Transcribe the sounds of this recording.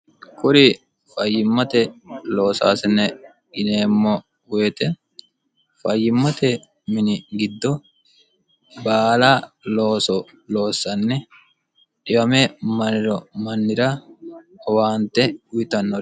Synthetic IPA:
kʰʼʊɾɪ | fɐjːɪmːɐt̪ɛlo̞ːsa̰ːsɪnɛ | ɡɪneːmːɔ | wʊɛt̪ɛ | fɐjːɪmːɐt̪ɛ | mɪnɪɡɪd̪ːɔ | baːlaːloːsɔ | lo̞ːsːɐnːɛ | ᶑɪmɐmɛmɐnɪɾɔmɐnːɪɾɐ | waːnt̪ɛʊjɪt̪ɐnːɔ

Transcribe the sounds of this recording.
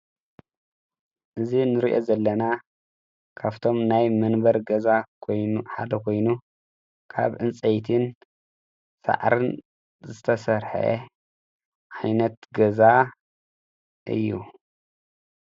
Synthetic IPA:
ʔɨzinɨɾiʔozɐlːɐna | kʰaβt̪ʰo̞mnajmɐnbɐɾɡɐzakʰojnuħad̪ɐkʰo̞jnu | kʰa̰βʕɨnt͡sʼejt̪ʰɨn | sa̰ʕɾɨn | zɨt̪ʰɐsɐɾħḛ | ʔajnɐt̪ɡɐza | ʔɨ̰jːu

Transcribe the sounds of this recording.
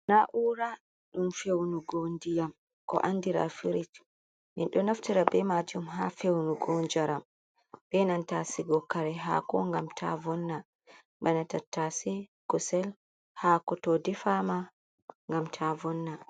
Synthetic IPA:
naʔuːɾa | ɗumfewnuɡondijam | kɔ̰ʔandiɾa̰fiɾit | minɗɔnaftiɾabɛmad͡ʒumɦafewnuɡɔnd͡ʒaɾam | bɛnantasiɡɔkːaɾɛɦa̰kɔŋɡamtʰa̰vɔnːa | banatatːasɛɡ̥ɔsɛl | hakɔtɔdifama | ŋɡamtʰavɔnːa

